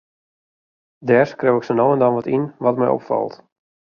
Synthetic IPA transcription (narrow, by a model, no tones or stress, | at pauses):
dɛːrskrowɪksənowəndɔnʋɔtinʋɔtmɛjɔ̰pfɑ̰lˠt